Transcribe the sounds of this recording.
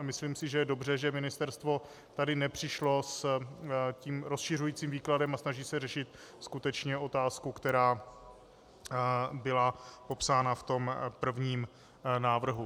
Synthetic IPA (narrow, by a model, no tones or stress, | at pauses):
mɪsliːmsɪʒɛjɛdo̞br̝ɛʒɛmɪnɪst̪ɛɾst̪vo̞ | t̪adɪnɛpr̝̥ɪʃlo̞s | ciːmɾosʃɪrujiːt͡siːmviːkladɛmasnaʒiːsɛrɛʃɪt̪skut̪ɛt͡ʃɲɛo̞t̪aːskukt̪ɛɾaː | bɪlapo̞psaːnaft̪o̞mpr̩vɲiːm | naːvr̩ɦu